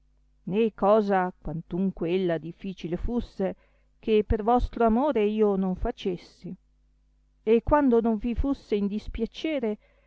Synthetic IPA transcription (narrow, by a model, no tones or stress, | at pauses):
nekɔːzakwant̪uŋkweelːad̪ifːiːt͡ʃilefusːe | kepervɔst̪ɾoamoːɾeiːonoɱfat͡ʃesːi | ekːwand̪onoɱvifusːeind̪ispjat͡ʃɛːɾe